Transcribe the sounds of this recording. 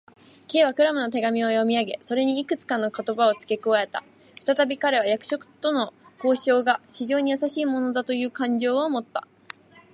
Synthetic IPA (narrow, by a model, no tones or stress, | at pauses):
ke̞ːβakɯ̟ɾamɯ̟no̞t̪e̞ɡamʲio̞jo̞mʲiaɡe̞so̞ɾe̞ɲ̟iːkɯ̟t͡sɨ̥kanːo̞ko̞t̪o̞bao̞t͡sɨ̥ke̞koβae̞t̪a̰ | ɸɯ̟̥t̪at̪abʲikaɾe̞β̞ajakɯ̟̥ɕo̞kɯ̟̥t̪o̞no̞ko̞ːɕo̞ːɡaɕiʑo̞ːɲ̟ijasaɕiːmo̞no̞d̪at̪o̞jɯ̟ːkãɲ̟d͡ʑo̞ːomo̞t̪ːa̰